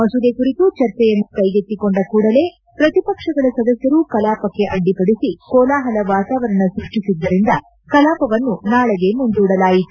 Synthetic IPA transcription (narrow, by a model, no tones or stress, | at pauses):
mɐsud̪ekuɾit̪ut͡ʃɐɾt͡ʃːɛjɐnːukɐjɡet̪ːikoɳɖɐkuːɽɐle̞ː | pɾɐt̪ipɐkʂɐɡɐɭɐsɐd̪ɐsjɐɾukɐlaːpɐkːe̞ʔɐɖːipɐɽisikɔːlaːɦɐlɐʋaːt̪aːʋɐɾɐnːusuʈːisid̪ːɐɾind̪ɐ | kɐlaːpɐʋɐnːunaːɭɐɡe̞mund̪uːɽɐlaːjiu